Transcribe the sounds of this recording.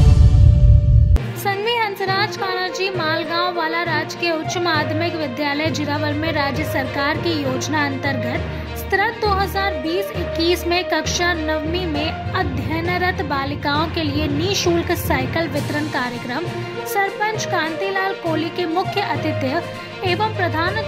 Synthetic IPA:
sɐ̃ŋɡʋiːɦɐ̃nt̪ɾaːd͡ʒkaːɽ̃aːd͡ʒiːmaːlɡãːwʋaːlaɾaːd͡ʒkeʊtʃmaːd̪mɪkʋɪd̪jaːləjd͡ʒɪɾaːʋəlmẽɾaːd͡ʒjəsɐɾkaːɾkijoːd͡ʒnaɐ̃nt̪əɾɡət̪ | st̪ɾətd̪oːɦɐzaːɾbiːsɪkːiːsmẽkɐkʃanɐʋmimẽɐd̪ʱjənəɾət̪baːlɪkaːõkelieniːʃuːlksaːɪkəlʋɪt̪ɾənkaːɾjəkɾəm | sɐɾpə̃nt͡ʃkãːnt̪iːlaːlkoːlikemʊkʰjəʔɐt̪ɪt̪jə | eːʋəmpɾɐd̪ʱaːn

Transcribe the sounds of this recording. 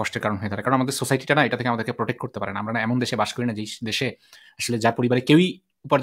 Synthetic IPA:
ɔʃʈeɾkaɾonɦoet̪ʰaɾakɾonamad̪eɾsosajʈiʈanaeʈat̪ʰekeamad̪eɾkepɾoʈek̚ʈ̚koɾt̪epaɾenaamɾanaɛmond̪eʃebaʃkoɾinad͡ʑejd̪eʃe | aʃoled͡ʑaɾpoɾibaɾekewi | upaɾ

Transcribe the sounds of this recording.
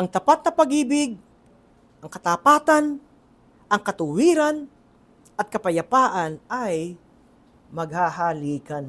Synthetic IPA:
ʔɐŋt̪ɐpat̪̚nɐpɐɡiːbɪɡ̚ | ʔɐŋkɐt̪apaːt̪an | ʔɐŋkɐt̪ʊwiːɾan | ʔɐt̪̚kɐpɐjɐpaːʔanaj | mɐɡ̚haɦaliːkan

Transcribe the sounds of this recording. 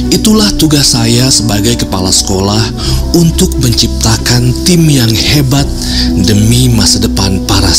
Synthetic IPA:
ʔit̪ulaht̪uɡasajasəbaɡajkəpalasə̥kolah | unt̪ʊk̚məɲt͡ʃip̚t̪akant̪ɪmjaŋhebat̪̚ | dəmimasadəpanpaɾa

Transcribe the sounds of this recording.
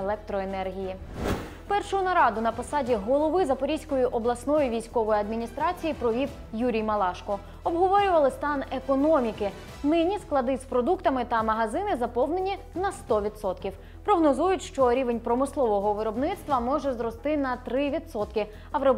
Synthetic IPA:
lˠɛk̚t̪ɾɔenɛrɦʲiji | pɛrʃʊʊnɐɾɑd̪ʊnɐpɔsɑdʲiɦɔlˠɔʋɪzɐpɔɾʲisʲkɔjʊʔɔblˠɐsnɔjʊʋʲijsʲkɔʋɔjiɐd̪mʲinʲist̪ɾɑt͡sʲijipɾɔʋʲiw | juɾʲijmɐlˠɑʃkɔ | ɔbɦɔʋɔɾʲʊʋɐlˠɪst̪ɑnekɔnɔmʲikɪ | nɪnʲːisklˠɐd̪ɪspɾɔd̪ukt̪ɐmɪt̪ɐmɐɦɐzɪnɪzɐpɔwne̞nʲi | nɐst̪ɔʋʲid̪sɔt̪kʲiw | pɾɔɦnɔzujʊtʲʃt͡ʃɔɾʲiʋe̞nʲpɾɔmɪslˠɔʋɔɦɔʋɪɾɔbnɪt̪st̪ʋɐmɔʒɛzɾɔst̪ɪnɐt̪ɾɪʋʲid̪sɔt̪kɪ | ɐʋɾɔb

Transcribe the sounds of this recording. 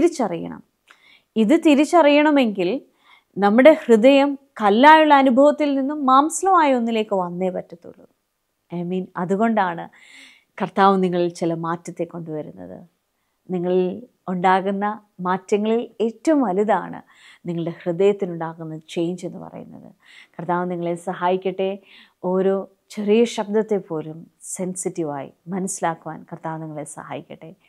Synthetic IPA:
t̪iɾit͡ɕːɐrijɐ̰ɳɐ̰m | iðɨt̪iɾit͡ɕːɐrijɐɳɐme̞ŋɡil | nɐmːuɽe̞hrɨðɐjɐmkɐlːaːjuɭːɐːnubʱɐʋɐt̪ːilninːumːaːmsɐlɐmaːjɐo̞nːile̞ːkːɨʋɐnːe̞ːpɐtːɐt̪ːṵɭːṵ | ɐjmiːnɐðuɣo̞ɳɖaːɳɨ | kɐrt̪aːʋɐmniŋːɐɭilt͡ɕilɐmaːtːɐt̪ːe̞kːo̞ɳɖuʋɐɾunːɐ̰ðɨ̰ | niŋːɐɭil | uɳɖaːɣunːɐ | maːtːɐŋːɐɭile̞ːtːɐʋumɐlɐða̰ːɳɨ̰ | niŋːɐɭɨɽe̞hrɨðɐjɐt̪ːinuɳɖaːɣunːɐt͡ɕe̞jɲd͡ʑe̞nːɨpɐ̰rɐ̰jṵnːɐ̰ðɨ̰ | kɐrt̪aːʋɐmniŋːɐɭesɐɦaːjikʲːɐʈːe̞ | o̞ːɾo̞ː | t͡ɕe̞rijɐɕɐb̚d̪ɐt̪ːe̞pːo̞ːlum | se̞nsitːiʋa̰ːjḭmɐnɐsilaːkːuʋa̰ːnkɐrt̪aːʋniŋːɐɭesɐ̰ha̰ːjikʲːɐ̰ʈːe̞

